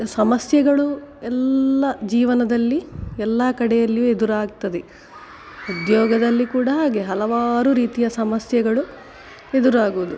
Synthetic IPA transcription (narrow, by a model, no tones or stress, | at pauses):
sɐmɐsjɐɡɐɭuɛlːɐd͡ʒiːʋɐnɐd̪ɐlːiɛlːɐkɐɽɛjɐlːijued̪uɾaːɡt̪ɐd̪e | ud̪jɔːɡɐd̪ɐlːikuːɽɐɦaːɡeɦɐlɐʋaːɾuɾiːt̪ijɐsɐmɐsjɐɡɐɭu | e̞d̪uɾaːɡuʋud̪u